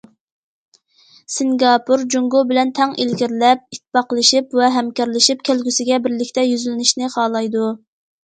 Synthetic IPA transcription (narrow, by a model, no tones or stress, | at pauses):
sɪŋɡɑpʰuɾd͡ʒuŋɡobɪlɛnt̪ʰɛŋʔelɡʲiɾlɛp̚it̪̚ʰːɪ̥pɑqəlˠɨʃipwɛɦɛmkʲɑɾlˠɪʃip̚kʲʰælɡʲysɪɡʲɛbɪɾlɪkʲt̪ɛjyzylɪnɪʃnɪχɑːlˠɑjd̪u